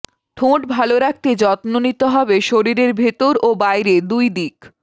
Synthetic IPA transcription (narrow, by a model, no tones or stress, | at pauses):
ʈʰõʈbʱaloɾak̚t̪ed͡ʑɔt̪nonit̪oɦɔbeʃoɾiɾeɾbʱet̪oɾobajɾed̪ujd̪ik